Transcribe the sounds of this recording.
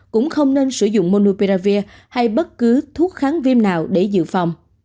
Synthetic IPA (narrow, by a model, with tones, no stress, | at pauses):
kʊ̰˧˥ŋ͡mxə˧wŋ͡mne˧nsɨ˧˩zʊ̰˧˨ŋ͡mmo˧no˧pi˧ɾaː˧vi˧ə | ha˧jɓə˦˥t̚kɨ˨˦t̪ʰu˦˥ət̚xaː˨˦nvi˧ənnaː˨˩wɗe˧˩zɨ̰˧˨fa˨˩wŋ͡m